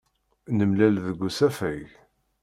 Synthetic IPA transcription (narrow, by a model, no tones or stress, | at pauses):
nəmlælðəɡʷːusæfæʝ